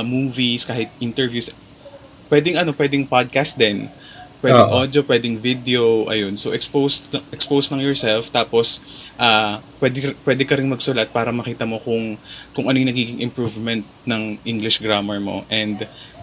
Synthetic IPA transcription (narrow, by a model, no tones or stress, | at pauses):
muːviskaːhɪt̪̚ʔint̪ɛɹvjus | pwɛd̪ɪŋʔɐno̞pwɛd̪ɪŋpad̪̚kast̪̚d̪ɛn | pwɛd̪ɪŋʔod̪jopwɛd̪ɪŋvid̪ɛoʔɐ̰jonsoʔɛkspowsɐʔɛkspowsnɐŋjɔɹsɛlft̪aːposʔaːpwɛd̪pwɛːd̪ɛkɐɾɪnmɐɡsʊlat̪̚paːɾɐmɐkiːt̪ɐmo̞kʊŋkʊŋʔɐnojnɐɡiːɡɪŋʔɪmpɹuvmɛnt̪̚nɐŋʔiŋɡlɪʃɡɹamɛɹmo̞̰ʔɛnd̪